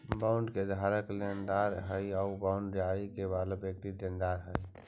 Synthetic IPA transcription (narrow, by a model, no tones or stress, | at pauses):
baʊɳɖked̪ʱaɾəklend̪aɾɦəjɔʊbãʊɳɖɾjaikebaləbjək̚t̪id̪end̪aɾɦəj